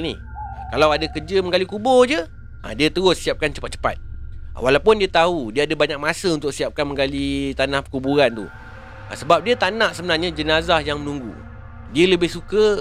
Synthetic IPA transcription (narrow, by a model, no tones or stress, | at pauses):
nḭ | əkalawadakərd͡ʒəməŋɡalikubɔrd͡ʒə | ʔə̰diət̪əɾʊssiap̚kant͡ʃəpat̪̚t͡ʃə̥pa̰t̪̚walawpʊndiət̪audiəadəbaɲak̚masəunt̪ʊk̚siap̚kanməŋɡalit̪anahkubuɾant̪ṵ | ə̰səbap̚diət̪anãʔsəbənarɲəd͡ʒənazahjaŋmənũŋɡṵ | diələbɪhsukə